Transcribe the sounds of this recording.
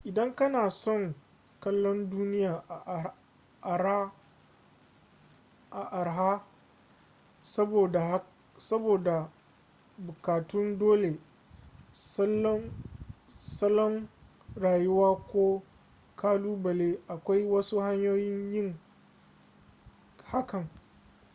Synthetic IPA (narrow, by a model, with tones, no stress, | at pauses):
ʔɪ˨dɐ˦ŋkɐ˦naː˨sɔ˦˨ŋ | kɐ˦lːɔ˦nduː˦nɪ˦jaː˨ʔ | ʔɾa˦ | ʔa˨ʔa˨ɾɦa˦ | sɐ˦boː˨da˨˦ | sɐ˦boː˨da˨ | bʊ˨kaː˨tʊ˦ndoː˦le˨ | sɐ˦lːɔ˦ | sɐ˦lːɔ˦ŋ | ɾaː˨jʊ˦waː˦kʷoː˦ | kʰaː˦luː˦bɐ˨le˦ʔa˨kʷa˦jwɐ˦su˦ha˦ɲjoː˦jɪ˦ɲjɪ˦ŋ | ha˦kɐ˨ŋ